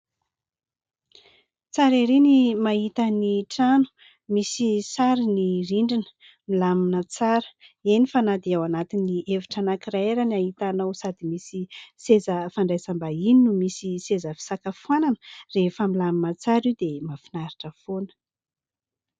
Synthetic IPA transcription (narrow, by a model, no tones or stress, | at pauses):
t͡saɾeɾinimaɦit̪əniʈ͡ʂanu̥ | misisaɾiniɾiɳɖ͡ʐinə̥ | milaminət͡saɾə̥enifanad̪iawanat̪iniʔeviʈ͡ʂanakiɾaeɾanaɦit̪anowsad̪imisisezəfaɳɖ͡ʐajsambaininumisisezəfi̥sakafuananrefəmilaminət͡saɾid̪emafinaɾiʈ͡ʂəfonə̥